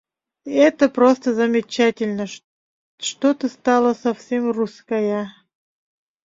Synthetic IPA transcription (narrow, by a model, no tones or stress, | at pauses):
ɛt̪əpɾost̪əzəmʲɪt͡ɕætʲɪlʲnə | ʂt̪ot̪əst̪ɑlˠəsɐfsʲemruskəjə